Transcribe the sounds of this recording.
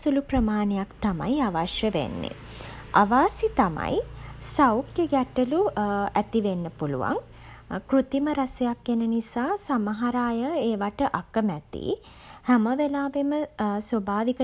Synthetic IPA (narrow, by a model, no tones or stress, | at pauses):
suluprəmaːnejakt̪ama̰jaʋaʃjəʋḛnːḛ | a̰ʋaːsit̪ama̰jsawkjəɡæʈəluæt̪iʋenːəpulṵʋa̰ŋ | krut̪iməɾasejakːenənisaːsamaɦaɾaːjəeːʋaʈəʔakəmæt̪ḭ | hæməʋelaːʋeməswobʱaːʋikə